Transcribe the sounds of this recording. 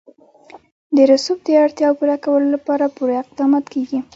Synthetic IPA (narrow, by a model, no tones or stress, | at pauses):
d̪əɾasub̚d̪əaɽt̪jɑwpuɾakawəlolapɑɾapuɾaɪq̚d̪ɑmɑt̪keɡi